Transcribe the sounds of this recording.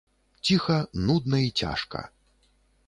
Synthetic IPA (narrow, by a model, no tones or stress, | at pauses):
t͡sʲixɐnud̪nɐit͡sʲa̰ʂkɐ̰